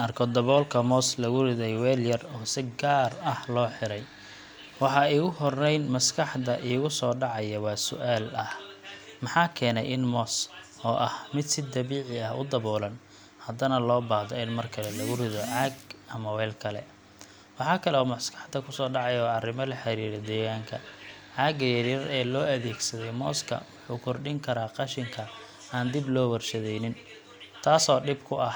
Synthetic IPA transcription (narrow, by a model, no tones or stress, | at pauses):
ɐrkʰɔd̪ɐβɔːlkʰɐmɔːslɐɣʊrɪðɛjwɛːljɐrɔːsɪɡaːrɐhlɔːħɪɾɛj | wɑħɑːiːɣʊɦɔrɛjnmɐskʰɑħd̪ɐʔiːɣʊsɔːɖɑʕɑjɐwɑːsʊ̰ʔaːlɐhmɑħɑːkʰɛːnɛ̰jʔɪnmɔs | ɔːʔɐhmɪd̪sɪd̪ɐβiːʕɪɐhʊ̰d̪ɐβɔːlɐn | hɐd̪ɐnɐlɔːbaːhdɔɪnmɐrkʰɐlɛlɐɣʊrɪðɔʕaːɡɐmɐwɛːlkʰɐlɛ̰ | wɑħɑːkʰɐlɛɔːmɐskʰɑ̥ħd̪ɐkʰʊsɔːɖɑʕɑjɔːɐrɪmɐlɐħɑɾiːɾɛd̪ɛːɣaːŋkʰɐʕaːɡɐjɐɾɪɾɛːlɔːɐðɛːɡsɐðɛjmɔːskʰɐ̰wʊħuːkʰɔrɖɪŋkʰɐɾaːqɑʃɪŋkʰɐ | aːnd̪ɪblɔːwɐrʃɐðɛjnɪn | t̪ʰaːsɔːɖɪbkʰʊʔɐh